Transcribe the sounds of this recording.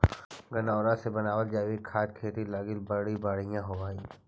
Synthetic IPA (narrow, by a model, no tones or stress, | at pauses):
ɡɐnaːɾãsebɐnaːʋəld͡ʒaːʋikʰaːt̪̚kʰeːʈ̪ilaːɡɪlbəɽibaːɽ̤ijãɦoʋaːiː